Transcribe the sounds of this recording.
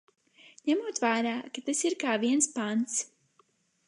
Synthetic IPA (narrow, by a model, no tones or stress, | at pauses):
ɲɛmuɔt̪vaːɾaːkat̪asiɾkaːviɛnspant̪s